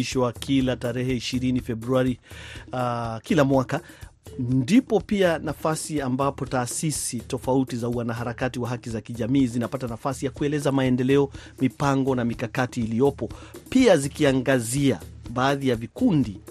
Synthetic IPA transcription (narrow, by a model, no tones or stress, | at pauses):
iʃwakʰilataɾɛhɛiʃiɾinifɛbɾuaɾi | kilamwaka | ndipɔpianafasiambapɔtaːsisitɔfautizauwanaɦaɾakatiwaɦakizakiʄamiːzinapatanafasijakuɛlɛzamaɛndɛlɛɔ | mipaŋɡɔnamikakatiːliɔpɔpiazikiaŋɡazia̰ɓaːðijavikundi